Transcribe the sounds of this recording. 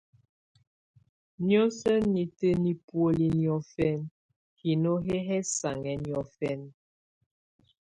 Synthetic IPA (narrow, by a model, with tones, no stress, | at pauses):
njɔ˦sə˦ni˨tə˦ni˨pwo˦li˨njɔ˦fɛ˦n | hi˨no˦ɦɛ˦ɦɛ˦sa˨ŋɛ˨˦njɔ˦fɛ˦˨n